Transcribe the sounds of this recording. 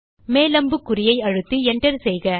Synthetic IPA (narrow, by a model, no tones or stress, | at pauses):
meːlɐmbɯkːʊɾɪjɐɪɐɻɯt̪ːɯɛɳɖɐɾsɛjɣɐ